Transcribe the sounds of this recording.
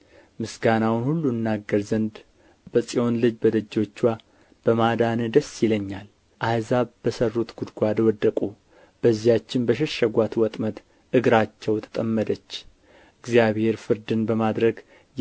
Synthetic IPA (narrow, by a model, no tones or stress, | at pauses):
mɨsɡanawnhulːuɨnːaɡːəɾzənd̪ | bəsʼio̞nlɨd͡ʒbəd̪əd͡ʒːo̞t͡ʃːwa | b̥əmad̪anɨd̪əsːjɪləɲːal | ʔazaβbəsərːut̪ɡ̥ud̪ɡʷad̪wɔd̪ːəkʼu | b̥əzːijat͡ʃːɪnbəʃ̬ɛʃəɡʷat̪wɔt̪ʼmət̪ | ʔɨɡɾat͡ʃːɛwt̪ʰə̥t̪ʼəmːəd̪ət͡ʃː | ʔɨɡzijaβhe̞ɾfɨɾd̪ɨnbəmad̪ɾəɡ